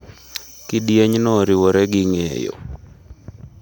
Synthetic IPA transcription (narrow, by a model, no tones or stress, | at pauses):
kidjeɲnɔɾiwoɾɛɡɪŋḛjo̰